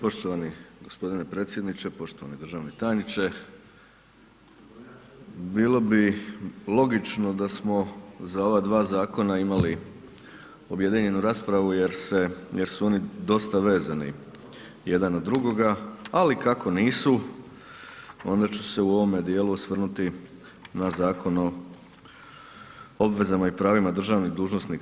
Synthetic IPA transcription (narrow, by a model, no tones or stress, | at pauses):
po̞ʃt̪o̞ʋaniɡo̞spo̞d̪inepɾe̞ːt̪sje̞d̪nit͡ʃe̞po̞ʃt̪oʋanid̪ɾ̩ʒaːʋnit̪aːjnit͡ʃe̞ | biːlˠo̞bilˠo̞ɡit͡ʃno̞d̪asmo̞zao̞ʋad̪ʋaːzaːko̞naimali | o̞bje̞d̪iɲe̞nuɾaːspɾaʋuje̞ɾse̞jeɾsuo̞nid̪o̞st̪aʋe̞ːzanḭ | je̞d̪anod̪ːɾuɡo̞ɡaalikako̞niːsu | o̞nd̪at͡ʃu̥se̞uo̞ʋo̞me̞d̪jeːluosʋr̩nut̪i | nazaːko̞no̞ | obʋe̞zamaipɾaːʋimad̪r̩ʒaːʋniɣd̪uːʒno̞snik